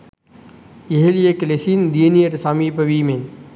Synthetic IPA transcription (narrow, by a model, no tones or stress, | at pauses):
ɪɦelijekɐleːsiːnd̪ienieʈsaːmiːpɐʋiːme